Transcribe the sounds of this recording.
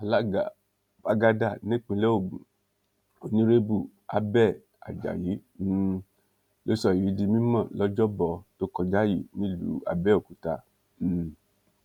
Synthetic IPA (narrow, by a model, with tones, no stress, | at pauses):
a˨la˦ɡa˨ | ba˦ɡa˧da˦˨nĩ˦k͡pĩ˧lɛ˦o˦˨ɡ͡bũ˨ | o˨nĩ˦ɾe˦bu˦˨ | a˦bɛ˦˨ | a̰˨d͡ʒa̰˨ji˨˦ | lo˦sɔ˦˨ji˨˦di˧mĩ˦mã˦˨lɔ˨˦d͡ʒɔ˦bɔ˨˧to˦kɔ˧d͡ʒa˦jḭ˦˨nĩ˦˨lṵ˨˦a̰˧bɛ˦o˨ku˨˦ta˧˨ | m̩˨